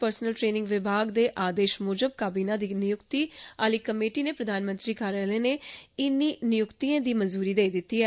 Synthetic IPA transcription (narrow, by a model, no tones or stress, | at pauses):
pəɾsnəlʈɾeːnɪ̃ŋɡʋɪbʱaːɡd̪eːʔaːd̪eːʃmoːd͡ʒəb̚kaːbiːnãːd̪iːnɪjʊkt̪iːaːliːkəmeːʈiːneːpɾəd̪ʱaːnmə̃nt̪ɾiːkaːɾɛːlẽːneːɪnːiːnɪjʊkt̪iãːd̪iːmənzuːɾiːd̪eːid̪ɪt̪ːiːɛː